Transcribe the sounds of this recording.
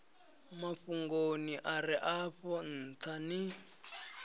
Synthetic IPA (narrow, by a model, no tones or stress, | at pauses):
maɸuŋɡoniʔaɾiʔaɸɔn̩t̪ʰani